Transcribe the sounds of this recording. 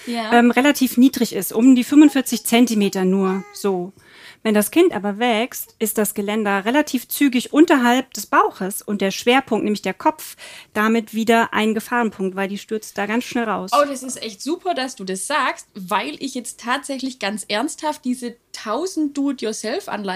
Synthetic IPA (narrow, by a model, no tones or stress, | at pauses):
jaʔɛːmʁelatʰiːfniːdʁɪçɪstʔʊmdiːfʏmvʊntfɪɐt͡sɪçt͡sɛntimeːtɐnuːɐz̥oː | vɛndaskʰɪntʔa̰ːbɐvɛkstʔɪst̚d̥asɡ̥əlɛndɐʁelatʰiːft͡syːɡɪçʔʊntɐɦalp̚d̥ɛsb̥aʊxəsʊntd̥eːɐʃv̥eːɐpʰʊŋktnɛːmɪçd̥eːɐkʰɔpp͡fd̥amɪtv̥iːdɐʔa̰ɪnənɡəfaːʁənpʰʊŋk̚tv̥aɪldiːʃtʏɐt͡st̚d̥aːɡant͡sʃnɛlʁaʊsoːdasɪstʔɛçtz̥uːpʰɐdasd̥uːdasz̥aːkstvaɪlʔɪçjɛt͡sttʰːaːtz̥ɛçlɪçɡ̥ant͡sʔɛɐnsthaft̚d̥iːzətʰaʊzn̩td̥uːtjuɐsɛlfʔa̰nla